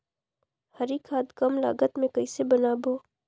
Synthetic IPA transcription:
həɾiːkʰaːd̪kɐmla̰ːɡət̪mẽkɐisebənaːboː

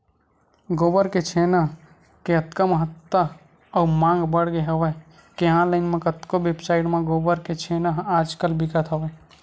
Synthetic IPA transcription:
ɡobəɾket͡ʃʰenəɦ | keət̪kəməɦət̪ːə | əumãːŋɡbəɽɡeɦəʋə | keɦãləɪnmẽkət̪kobebsaɪʈmẽɡoːbəɾket͡ʃʰenəɦaːd͡ʒkəlbʱikət̪ɦəʋɛ

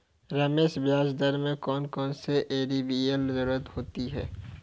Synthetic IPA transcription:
ɾɐːmeːsbjaːzd̪əɾmẽkɔːnkɔːnseʔeːɾibiəlzəɾuːɾət̪hoːt̪iɦɛ̰ː

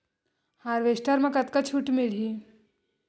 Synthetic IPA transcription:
haːɾʋeːsʈəɾmɐ̃kɐt̪kat͡ʃʰuʈmɪli

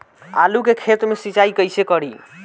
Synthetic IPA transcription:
a̰lukekʰet̪mesit͡ʃaikəjsekəɽi

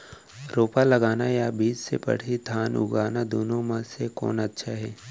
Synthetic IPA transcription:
ɾoːpalɐɡaːnajabiːd͡ʒsḛpɐ̰ɽ̤it̪ʰaːnʊ̰ɡaːnad̪oːnõmãsekɔ̰ːnɐtːʃʰaɦɛː

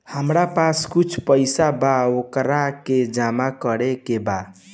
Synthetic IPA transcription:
həmɾapaskut͡ʃʰpəjsabaokɾaked͡ʒamakəɾekeba

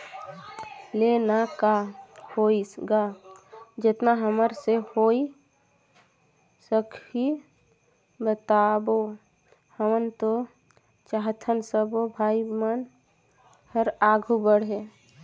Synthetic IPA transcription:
lenakahoːiɡa | d͡ʒɪt̪naɦəməɾsehoːi | səkʰi | bət̪aːbo | həmənt̪o | t͡ʃaɦt̪ʰənsəbobʱaːimən | həɾaːɡʱubəɽɦe

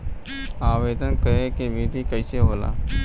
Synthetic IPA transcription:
aːʋeːd̪ənkəɾekebiːʈikəɪseɦoːla̰ː

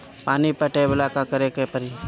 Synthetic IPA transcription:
paːnipəʈeʋɪlaːkakəɾekepəɾiː

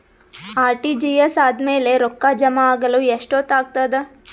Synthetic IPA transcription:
aːɾʈid͡ʒijesaːd̪meːleɾokːad͡ʒɐmaaːɡɐluːeʂʈoːt̪aːɡ̚t̪ad̪e

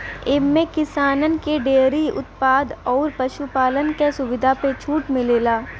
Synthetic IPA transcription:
ɪmmẽkɪsaːnənkeɖeːɾiʊ̰t̪̚paːd̪ɔːɾpɐʃupaːlənkesʊʋɪd̪ʱapet͡ʃʰuːʈmɪleːlaː

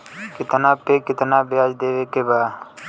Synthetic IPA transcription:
kɪt̪nãːpeːkɪt̪nãːbɪjaːd͡ʒd̪eːʋeːkeːbaː

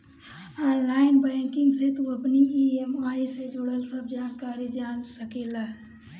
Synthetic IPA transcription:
aːnlaːɪnbɛ̃ːkɪ̃ŋɡset̪oəpniiemaːised͡ʒoɽəlsəb̚d͡ʒaːnkaːɾid͡ʒaːnsəkelaː

